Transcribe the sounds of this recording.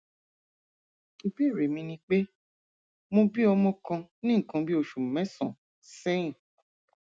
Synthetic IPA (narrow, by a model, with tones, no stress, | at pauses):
o˧bi˦˨ɾe˨mĩ˧nĩ˧k͡pe˦ | mõ˧bi˦ɔ˧mɔ̃˦kã˧nĩ˦ŋ̩˨kã˧bi˦o˧ʃu˨mɛ̃˨˦sã˨ | sɛ̃˦ĩ˦˨